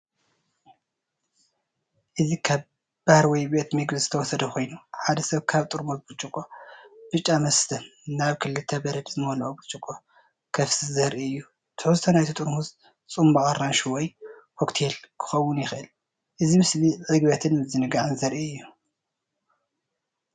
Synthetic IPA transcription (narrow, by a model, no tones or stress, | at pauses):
ʔɨzikʰaβ | b̥ahɾwɔjbe̞t̪mɨɡzɨt̪ʰɐwɔsɐd̪ɐkʰo̞jnuħad̪ɐsɐβkʰaβt̪ʼɨɾmotbɨt͡ʃʼukʼob̥ɨt͡ʃʼːamɐst̪ʰɐnaβkʰɨlːɨt̪ʰɐbɐɾɐd̪zɨmolʔobɨt͡ʃʼɨkʼo | kʰɐfsɨzɐɾʔiɨjːu | t̪ʰɨuzt̪ʰɐnajt̪ʰit̪ʼɨɾhuz | t͡sʼumbɐχʼɐɾːanʃuwoj | hokt̪ʰe̞lkʰɨ̥xɐwːʊnjɪxʔɨl | ʔɨzimɨsliʕɨɡβɐt̪ʰɨnɨzɨnɨɡaʕɨnzɐɾʔiɨjːu